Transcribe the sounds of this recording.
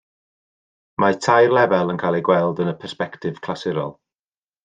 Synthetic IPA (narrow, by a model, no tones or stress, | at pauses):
matʰajrlˠɛvɛlˠənkʰajlˠiɡwɛlˠdənəpʰɛrspɛktɪv̥kʰl̥asɪɾɔ̰lˠ